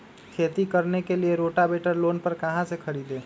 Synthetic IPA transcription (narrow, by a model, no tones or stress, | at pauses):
kʰet̪ikəɾnekelieɾoʈabeʈəɾlonpəɾkəɦãsekʰəɾid̪e